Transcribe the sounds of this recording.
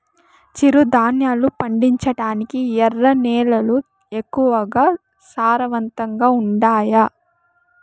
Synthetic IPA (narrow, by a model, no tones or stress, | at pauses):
t͡ʃiɾud̪ʱaːnjaːlupɐɳɖiɲt͡ʃɐʈaːnikiɛrːɐnɛːlɐlu | ekːuʋɐɡaː | saːɾɐʋɐnt̪ɐŋɡaːuɳɖaːja